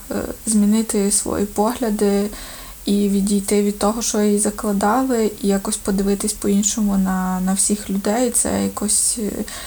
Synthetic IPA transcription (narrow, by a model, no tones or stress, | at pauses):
zʲmʲinɪt̪ɪsʋɔ̰jḭpɔɦlʲɐd̪ɪ | iʋʲidʲijt̪ɪʋʲid̪̚t̪ɔɦɔʃt͡ʃɔjjizɐklˠɐd̪ɑlˠɪijakɔsʲpɔd̪ɪʋɪt̪ɪsʲpɔinʃɔmʊnɐnɐwsʲixlʲʊd̪ɛjt̪sɛ̰jɐkɔsʲ